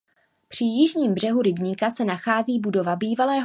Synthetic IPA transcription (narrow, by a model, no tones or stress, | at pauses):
pr̝̥ɪjɪʒɲiːmbr̝̥ɛɦuɾɪbɲiːkasɛnaxaːziːbudo̞vabiːvalɛːɦ